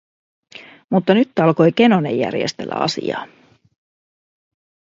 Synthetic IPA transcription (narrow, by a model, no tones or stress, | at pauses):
mut̪ːɑnyt̪ːɑlko̞jk̟e̞no̞nḛjːæ̰rjḛst̪e̞̰lːæ̰ɑ̰sḭjɑ̰ː